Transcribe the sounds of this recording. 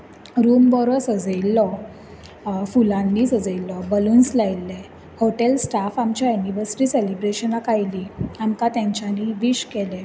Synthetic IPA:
ɾumbɔɾɔsəd͡zilːɔ | fulãnːiːsəd͡zəilːɔbəlunslajlːɛ | hoʈelsʈafamt͡ɕjajuniʋəɾsi̥ʈiselibɾeɕənakajliamkat̪jãɲt͡ɕaniʋiɕkɛlɛ

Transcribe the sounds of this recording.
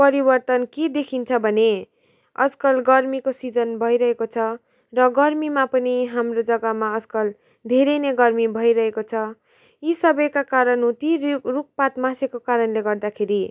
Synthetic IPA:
pʌɾibʌrt̪ʌnked̪ekʰint͡sʰʌbʱʌne | ʌ̰d͡zkʌlɡʌrmikosid͡zʌnbʱʌjɾʌɦekot͡sʰʌ | rʌɡʌrmimapʌniɦamrod͡zʌɡʌmaʌd͡zkʌl | d̪ʱeɾeneɡʌrmibʱʌiɾʌɦekot͡sʰʌ | isʌbʌjkakaɾʌnɦũt̪iruk̚pat̪mãsekokaɾʌnleɡʌrd̪akʰeɾi

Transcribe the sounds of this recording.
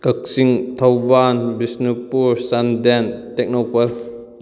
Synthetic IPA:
kɐk̚siŋtʰɐwbanbisnipuɾsandentek̚nopɐɾ

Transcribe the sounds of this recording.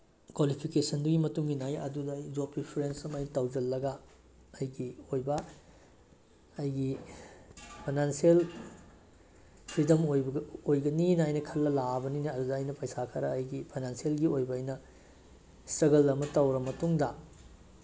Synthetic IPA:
kwalipʰikesɐnduɡimɐtuŋɡinajɐ̰dudɐjd͡ʒopipʰɾensɐmɐjnɐtɐwd͡ʒɐlːɐɡɐː | jɡiojbɐ | jɡi | pʰajnansiel | pʰɾidɐmojojɡɐninɐːjnɐkʰɐlːɐlabɐninɐɐdudɐːjnɐpɐjsakʰɐɾɐːjɡipʰajnansielɡiojbɐːjnɐ | sɐɡɐlːɐmɐtɐwɾɐmɐtuŋdɐ

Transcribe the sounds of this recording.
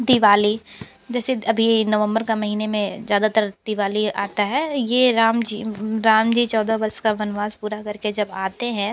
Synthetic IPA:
d̪ɪʋaːli | d͡ʒɛːseɐbʱinɐʋə̃mbəɾkamɐɦiːnemẽzjaːd̪at̪əɾd̪̥ɪʋaːlia̰ːt̪aɦɛːjeɾaːmd͡ʒiːɾaːmd͡ʒiːt͡ʃɔːd̪abɐɾskaʋɐnʋaːzpuːɾakɐɾked͡ʒɐbaːt̪eɦɛ̃ː

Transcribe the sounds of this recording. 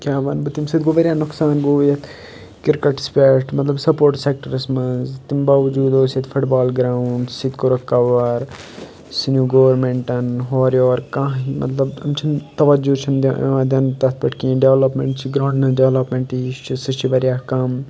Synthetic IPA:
kʲjaːʋɐnbɨt̪imsɪd̪ɡoʋɐɾjaːnʊksaːnboːjɐt̪ | kɪɾkɐʈspeːʈmɐt̪lɐbsɐpoːɾʈseːk̚ʈɐɾɐsmɐzt̪imbaːʋɐd͡ʒuːd̪oːset̪fʰʊʈbaːlɡɾaːuɳɖsit̪koɾɐkɐʋɐɾ | sinjuːɡoːɐɾmeɳʈɐnɦoːɾjoːɾkãːimʔɐ̰t̪lɐbɐ̰mt͡ʃʰint̪ɐʋɐd͡ʒut͡ʃʰind̪ʋãːd̪ʲɐnt̪ɐt̪ʰbɐʈkĩːɖeʋlɐpmẽɳʈt͡ʃʰiɡɾãːɖnɐɖeʋlɐpmeɳʈit͡ʃʰisit͡ʃʰiʋɐɾjaːkɐm

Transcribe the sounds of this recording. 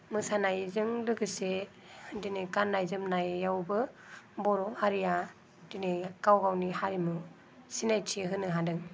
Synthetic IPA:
mɯsanajzɯŋlɯɡɯse | dineɡanːajzɯmnajːawbɯbɔɾɔaɾija | d̥ineɡawɡawnihaɾimɯ | sinajtʰiɦɯnɯɦadɯŋ

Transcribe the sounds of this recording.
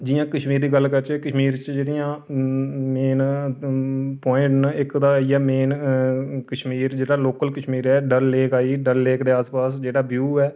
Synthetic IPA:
d͡ʒɪjãːkəʃmiːɾd̪iːɡəlːkəɾt͡ʃɛːkəʃmiːɾt͡ʃd͡ʒeːɽɪjãː | meːn | pɔːɪ̃ʈnɪkd̪aːijaːmeːn | kəʃmiːɾd͡ʒeːɽaːloːkəlkəʃmiːɾɛːɖəlːeːkaːiːɖəlːeːkd̪eːaːspaːsd͡ʒeːɽaːbjuːɛː

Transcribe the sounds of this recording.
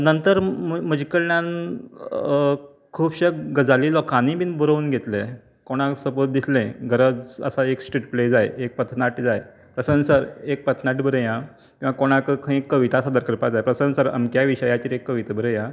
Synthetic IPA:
nənt̪əɾmməd͡ʑikəɾɳjãn | kʰuːbɕəkɡəd͡zalilɔkʰanĩbiːnbuɾəuːnɡʱet̪lẽ | koɽ̃ãsəpot̪̚d̪islẽɡəɾəd͡zə̰saeksʈɾiʈpled͡zajek̚pət̪ʰnaʈd͡zaj | pɾəsənsəɾek̚pət̪ʰnaʈbəɾəjã | kĩw̃ʋakoɽ̃akəkʰə̃ekːəʋit̪asad̪əɾkəɾpad͡zajpɾəsənsəɾa̰mkjaʋiɕəjat͡ɕiːɾekːəʋit̪əbəɾəjã

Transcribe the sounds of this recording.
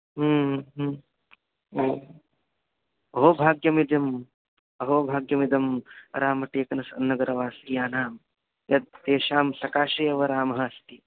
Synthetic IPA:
ɦmɦ | oː | ɐɦoːbʱaːɡjɐmid̪ɐm | ɐɦoːbʱaːɡjɐmid̪ɐmɐɾaːmɐʈeːkɐnɐsɐ̰nːɐɡɐɾɐʋaːsijaːnaːm | jɐd̪̚t̪eːʃaːmsɐkaːʃɐjɐʋɐɾaːmɐɦɐst̪i

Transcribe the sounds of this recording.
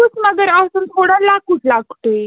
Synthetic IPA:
ut͡sməɡəɾasunt̪ʰoɽalakutlaɡt̪e

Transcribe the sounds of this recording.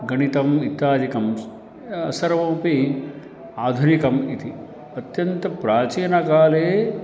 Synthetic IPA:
ɡɐnit̪ɐmit̪aːd͡ʒikɐm | ɐ̰sɐɾʋõːpi | aːd̪ʱunikɐmit̪i | ɐt̪jɐnt̪ɐpɾaːt͡ʃiːnɐkaːleː

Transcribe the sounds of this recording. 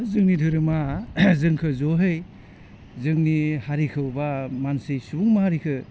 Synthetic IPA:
zɯŋnidʰʱɯɾɯmazɯŋkʰɯzoɦɯj | zɯŋnihaɾikʰɯwbamansɯjsubuŋmaɦaɾikʰɯ

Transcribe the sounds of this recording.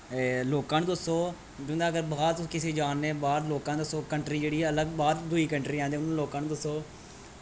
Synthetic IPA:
loːkãːnd̪ʊsoː | d͡ʒʊ̃nd̪aːɡəɾbaːɾkɪseːd͡ʒaːnːeːbaːd̪loːkãːnd̪ʊsoːkəɳʈɾiːd͡ʒeːɽiːɦɛːələɡbaːd̪d̪ʊiːkəɳʈɾiːãːnd̪eːʊnaloːkãːnd̪ʊsoː

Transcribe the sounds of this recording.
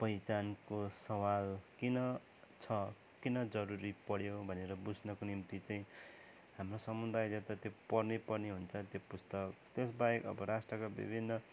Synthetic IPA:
pʌjt͡sankosʌwalkinʌ | t͡sʰʌ | kinʌd͡zʌɾuɾipʌɽjobʱʌneɾʌbud͡zʱnʌkonimt̪it͡saĩ | ɦamrosʌmud̪ajd͡zʌt̪at̪jopʌrnepʌrneɦunt͡sʰʌt̪jopust̪ʌkt̪esbajekʌ̰bʌɾasʈrʌkabḭbʱinːʌ

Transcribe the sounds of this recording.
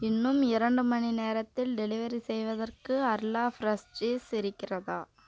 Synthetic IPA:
ɪnːɯmɪɾɐɳɖɯmɐnineːɾɐt̪ːɪlɖɛlɪʋɐɾisɛjʋɐðɐrkɯɐɾlaːfɾɐsʈeːsɪɾɪkːɪrɐðaː

